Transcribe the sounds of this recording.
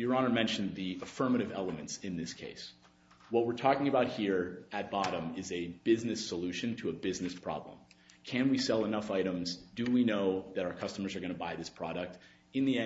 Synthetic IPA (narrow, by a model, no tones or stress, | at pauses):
ə˞ɑnə˞mɛ̃nʃɨ̃n̩ðiəfɜ˞mɨɾɨvɛlˠəmɨ̃ntsɨ̃nðɪskʰḛɪs | wʌt̚wɨɹtʰɔkɪ̃ŋɨbaʊt̚hiɹɨt̚b̥ɑɾə̃mɪzɨb̥ɪznɨsəlʉʃɨ̃ntʰɨəbɪznɨspʰɹ̥ɑ̰blə̰̃mkʰɨ̃nwisɛlˠənʌfaɪɾə̃mzdɨwinoʊðɨɾaʊə˞kʰʌstəmə˞zə˞ɡʌ̃ñəbaɪðɪspʰɹ̥ɑ̰ɾɨk̚t | ɨ̃nðiɛ̃